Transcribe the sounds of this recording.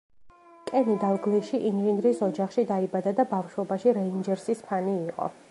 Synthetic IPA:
kʼɛnid̪alˠɡliʃiʔinʒind̪ɾisɔd͡ʒaχʃid̪aibad̪ad̪abafʃwɔbaʃiɾɛind͡ʒɛɾsispʰaniːqʼɔ̰

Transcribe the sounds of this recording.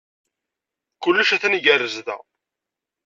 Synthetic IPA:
kʊlːəʃæθænʝərːəzðæ̰

